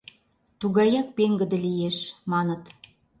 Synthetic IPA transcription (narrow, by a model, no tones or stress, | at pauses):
t̪uɣɑjɑk̚peŋɡə̆d̪ə̆lijeʃmɑnə̆t̪